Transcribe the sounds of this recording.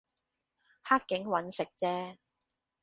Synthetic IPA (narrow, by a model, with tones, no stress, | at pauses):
haː˥k̚kːɪ˨˥ŋwɐ˨˧˥nsɪ˨k̚t͡sɛː˥